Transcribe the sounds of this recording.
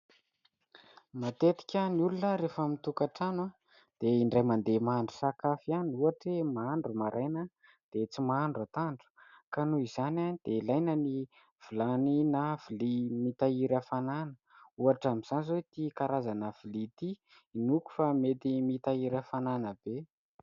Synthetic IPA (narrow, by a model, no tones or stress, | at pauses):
mat̪et̪i̥kʲəniulunəɾefamit̪ukaʈ͡ʂana | d̪̥eiɳɖ͡ʐajmand̪emaɳɖ͡ʐu̥sakafianiuaʈ͡ʂemaaɳɖ͡ʐumaɾʔajna | d̪̥et͡simaaɳɖ͡ʐat̪aɳɖ͡ʐu̥kanuiz̥ananid̪̥elajnəni | v̥ilaninav̥ilimit̪aiɾafananə | uaʈ͡ʂamiz̥anizoit̪ikaɾazanəvilit̪i | inuku̥famet̪imit̪aiɾafananəb̥e